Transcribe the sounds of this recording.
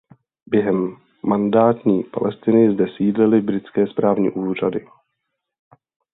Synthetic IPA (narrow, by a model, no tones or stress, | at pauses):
bjɛɦɛmː | andaːt̪ɲiːpa̰lɛst̪ɪnɪzdɛsiːdlɪlɪbɾɪt͡skɛːspɾaːvɲḭːʔuːr̝adɪ